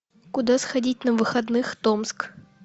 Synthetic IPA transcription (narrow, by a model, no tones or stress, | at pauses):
kʊd̪asxɐdʲit̚ʲnəvɨxɐd̪nɨxt̪omsk